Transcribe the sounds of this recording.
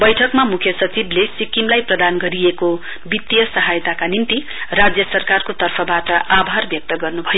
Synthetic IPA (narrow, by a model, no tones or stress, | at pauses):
bʌjʈʰʌkmamukʰjʌsʌt͡siblesikimlajprʌd̪anɡʌɾieko | bit̪jʌsʌɦajt̪akanint̪i | rad͡zjʌsʌrkarkot̪ʌrpʰʌbaʈʌabʱarbjʌk̚t̪ʌɡʌrnubʱʌjo